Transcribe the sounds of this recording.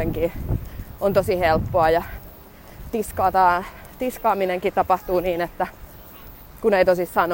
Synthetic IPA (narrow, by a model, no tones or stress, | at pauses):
eŋkiːʔont̪osihelpːoɑjɑ | t̪iskɑːt̪ɑːt̪iskɑːmineŋkit̪t̪ɑpɑht̪uːniːnet̪ːæ | kuneit̪osissɑn